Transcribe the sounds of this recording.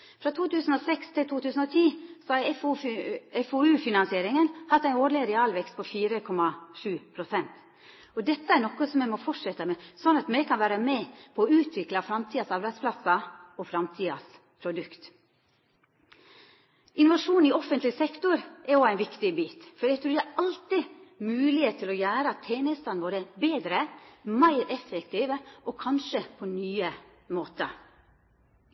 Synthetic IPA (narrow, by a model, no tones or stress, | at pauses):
fɾɑt̪ʰuːt̪ʉːsən̩oːsɛkst̪ʰɪlt̪ʰuːt̪ʰʉːsən̩oːt̪ʰiːsɔɑ | ɛfoʉːfɪnɑnsɪeːɾɪŋənhɑt̪ːæɪoːɖɭɪɾɛɑːlʋɛkst̪̚pʰɔfiːɾəkʰɔmːɑʂʉːpʰɾʊsɛnt̪ | ɔd̪ɛt̪ːəæɾnɔkəsɔmɛmɔfɔʈʂɛt̪ːəmɛsɔnːɑt̪mɛkʰɑnʋæːɾəmɛpʰɔːʉːt̪ʰʋɪklɑfɾɑmt̪ʰiːɑsɑɾbæɪd̪spʰlɑsɑɔfɾɑmt̪ʰiːɑ̰s | pʰɾʊd̪ʉkt̪ | ʔɪnʊʋɑʂuːnɪɔfənt̪lɪsɛkt̪ʊɾʔɛɔæɪnʋɪkt̪ɪbiːt̪fɔɾæt̪ʰɾʉːd̪æɑlt̪ɪmʉːlɪhet̪ʰːɪlɔjæːɾəɑt̪ʰeːnəst̪ɑnʋoːɾəbeːd̪ɾəmæɪɾɛfːɛkt̪iːʋəʔɔkʰɑnʂəpʰɔnyːə | moːt̪ə